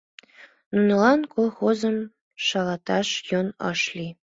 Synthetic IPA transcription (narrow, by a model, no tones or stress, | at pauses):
nunlˠɑnkolˠxozɤ̆m | ʃɑlˠɑt̪ɑʃjonɑ̰ʃlʲi